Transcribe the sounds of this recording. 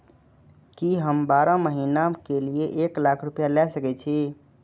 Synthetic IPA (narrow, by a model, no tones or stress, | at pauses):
kiɦəmbaɾaməɦinakelijeʔeklakʰɾupjalɛsəkɛt͡ʃʰi